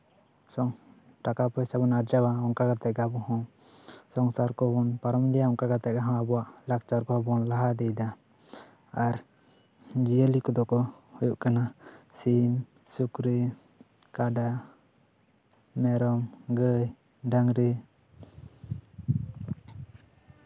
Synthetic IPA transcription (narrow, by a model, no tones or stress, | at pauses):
sɔŋ | ʈakapɔjsabɔnaɾd͡ʒawaɔŋkakat̪ɛɡabɔɦɔ̃ | sɔŋsaɾkɔbɔnpaɾɔmlijaɔŋkakat̪ɛʔ̚ɡaɦãabɔwaʔlak̚t͡ʃaɾkɔbɔnlaɦad̪ɛjd̪a | aɾ | d͡ʒijəlikɔd̪ɔkɔ | hujuʔkanasim | sukɾi | kaɖa | mɛɾɔmɡəj | ɖaŋɾi